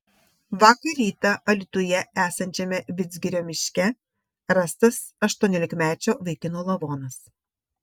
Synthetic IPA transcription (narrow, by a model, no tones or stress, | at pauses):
ʋɑːkɐɾʲiːt̪ɐʔɐlʲɪt̪ʊjɛæːsɐnʲt͡ʃʲɛmʲɛʋʲɪd̪zʲɡʲɪɾʲoːmʲɪʃʲkʲɛ | ɾɐst̪ɐs | ɐʃt̪uɔnʲoːlʲɪkmʲæːt͡ʃʲoːʋɐɪkʲɪnoːlˠɐʋoːnɐs